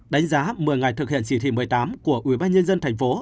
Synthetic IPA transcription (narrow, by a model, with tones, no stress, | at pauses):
ɗa˨˦jŋ̟zaː˨˦mɨ˨˩əjŋa˨˩jt̪ʰɨ˨˩k̚hḭ˧˨ənt͡ɕi˧˩t̪ʰḭ˧˩mɨ˨˩əjt̪aː˨˦mku˧˩əʔwḭ˧˩ɓaː˧nɲə˧nzə˧nt̪ʰɛ˨˩jŋ̟fo˨˦